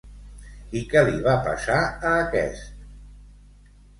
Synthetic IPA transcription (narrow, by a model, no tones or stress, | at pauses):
ikɛliβapa̰saəːkɛ̰st̪̚